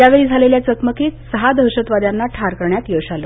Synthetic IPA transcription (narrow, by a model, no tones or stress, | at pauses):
jaʋeɭid͡zʱaleljat͡sək̪məkiːt̪səɦad̪ʱəɾɕət̪ʋad̪janːaʈʰaɾkəɾɳjat̪jeʋɕalo